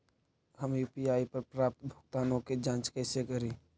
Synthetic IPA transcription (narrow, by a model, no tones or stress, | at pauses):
həmjupijaːipəɾpɾaːp̚t̪bʱʊk̚t̪aːnõked͡ʒãːt͡ʃkəɪsekəɾi